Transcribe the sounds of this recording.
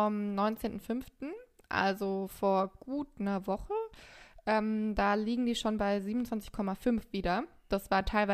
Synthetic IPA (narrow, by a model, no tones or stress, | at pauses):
ɔmnɔʏnt͡seːntn̩fʏnftn̩ | ʔa̰lzofoːɐɡ̥uːt̚nɐvɔχəʔɛːmd̥aːliːɡŋ̩diːʃoːnbaɪziːbmn̩ʊnt͡sv̥ant͡sɪçkʰɔmafʏnfv̥iːdɐd̥asv̥aːɐtʰaɪlva